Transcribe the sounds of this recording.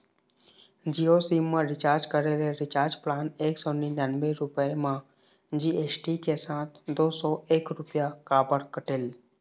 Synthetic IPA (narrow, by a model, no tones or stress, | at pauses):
d͡ʒiosimːãɾɪt͡ʃaːɾd͡ʒkəɾeleɾɪt͡ʃaːɾd͡ʒplaːneːksoninanbeɾʊpəemã | d͡ʒiːet͡ʃʈikesãːt̪̚ʰd̪oːsɔeːkɾʊpjakaːbəɾkəʈeːl